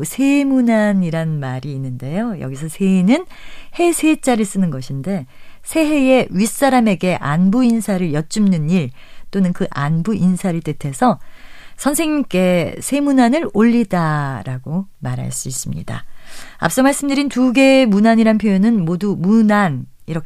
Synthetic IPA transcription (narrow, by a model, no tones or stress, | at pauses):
sʰe̞munaniɾanmaɾiːnːɯnde̞jojʌ̰ɡis̬ʰʌsʰe̞inɯn | he̞sʰe̞t͡ɕ͈aɾɯɭs͈ɯnɯnɡʌɕʰinde̞sʰe̞ɦe̞je̞ɥis͈aɾame̞ɡe̞ʔanbuinsʰaɾɯɭjʌt̚t͡ɕ͈umnɯniɭ | t͈onɯnkɯʔanbuʔinsʰaɾɯɭt͈etʰe̞sʰʌsʰʌnsʰe̞ŋɲik͈e̞sʰe̞munanɯɾoʎːidaɾaɡomaɾɦa̰ɭs͈uis͈ɯmɲḭda̰a̰p̚s͈ʌmaɭs͈ɯmdɯɾintuɡe̞munaɲiɾanpʰjojonɯnmodumunan | iɾʌk